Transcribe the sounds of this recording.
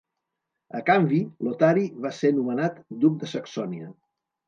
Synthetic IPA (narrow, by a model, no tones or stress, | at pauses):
əkambilot̪aɾiβasenumənat̪d̪uk̚d̪əsəksɔniə